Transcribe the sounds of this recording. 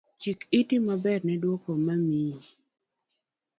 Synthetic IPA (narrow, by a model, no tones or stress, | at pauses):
t͡ʃikitimabɛrnɛdwokomami